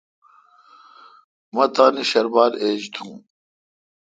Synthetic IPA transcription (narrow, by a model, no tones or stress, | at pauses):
mɐt̪aːniɕɐɾbaːɾeːd͡ʑt̪ʰũː